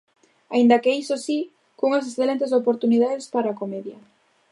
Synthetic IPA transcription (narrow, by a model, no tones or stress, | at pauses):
a̰ind̪ɐkejsosi | kuŋas̬esθelent̪esopoɾt̪uniðaðespaɾaːkomeðjɐ